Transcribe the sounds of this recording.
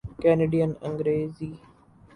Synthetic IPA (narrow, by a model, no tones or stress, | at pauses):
kɛːneːɖijənə̃ŋɡɾeːziː